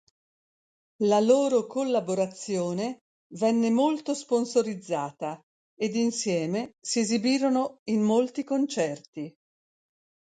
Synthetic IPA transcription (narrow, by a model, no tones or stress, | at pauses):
laloːɾokolːaboɾat̪sːjoːne | vɛnːemolt̪osponsoɾid̪zːaːt̪a | ed̪insjɛːmesiezibiːɾonoimːolt̪ikont͡ʃɛrt̪i